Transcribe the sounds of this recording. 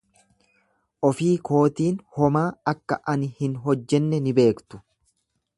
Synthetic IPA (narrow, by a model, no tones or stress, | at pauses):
ʔɔfiːko̞ːt̪iːnhɔmaːɐkːɐʔɐnhɪnɦɔd͡ʒːɛnːɛnɪbe̞ːkt̪ʊ̥